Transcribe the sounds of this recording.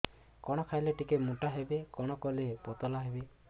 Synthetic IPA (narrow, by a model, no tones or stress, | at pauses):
kɔɽ̃ɔkʰajleʈikemuʈaɦebekɔɽ̃ɔkɔlepɔt̪ɔlaɦebe